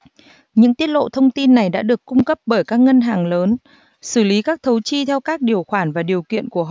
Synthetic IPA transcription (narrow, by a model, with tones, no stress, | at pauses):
ɲɨ̰˧˥ŋt̪i˦˥ət̚lo̰˧˨t̪ʰə˧wŋ͡mt̪i˧nːa˨˩jɗa̰ː˧˥ɗɨ˨˩əkːʊ˧ŋ͡mkə˦˥p̚ɓəː˧˩jkaː˦˥k̚ŋə˧nɦaː˨˩ŋləː˨˦n | sɨ˧˩li˨˦kaː˦˥k̚t̪ʰə˨˦wt͡ɕi˧t̪ʰɛ˧wkaː˦˥k̚ɗi˨˩əwxwaː˧˩nvaː˨˩ɗi˨˩əwkḭ˧˨ənku˧˩əɦɔ̰˧˨